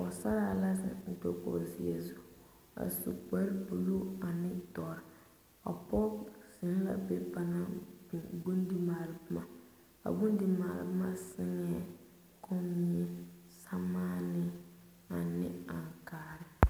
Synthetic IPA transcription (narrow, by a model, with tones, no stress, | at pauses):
ɔ˨sa˦ɾa˦la˦sɪ̰˨n̩˨to˦kɔ̰˨zi˨ɛ˨zu˦ | a̰˨sṵ˨k͡pɛ˦ɾpu˨lu˦a˨nɪ˦tɔ˨ɾɪ˨ | a̰˨pɔ˦z̥ɪ˨˦n˦la̰˨be˦pa˦na˦bi˨ɡu˦ndi˦maː˨lɪ˨bɨ˦ma˨ | a̰˨bu˦n˦di˦maː˨lɪ̰˨bɨ˦ma˦sɪ˦ŋɛ˦˨ | kʰɔ˦m˦ɛ˦ | sa˦maː˦nɪ˦ | a˨nɪ̰˦a˨ŋkaː˦˨ɾɪ˦